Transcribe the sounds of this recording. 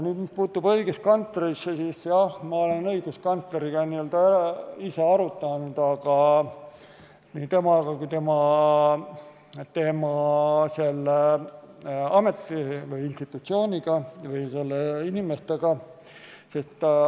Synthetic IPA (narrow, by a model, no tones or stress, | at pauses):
nyːd̪mispuːt̪ːˑub̥ɤ̞iɡ̥eskɑnt̪leɾisːesiːsjɑhmɑole̞nɤ̞iɡ̥uskɑnt̪leɾiɡ̥ɑniøld̪ɑeiseɑɾut̪ːˑɑnud̪̥ɑɡ̥ɑ | nit̪e̞mɑɡ̥ɑkujt̪e̞mɑ | t̪e̞mɑse̞lːe | ɑme̞t̪ːˑivɯjinst̪it̪ːˑut̪sio̞ːnʲiɡ̥ɑvɯjse̞lːeinimest̪eɡ̥ɑ | sest̪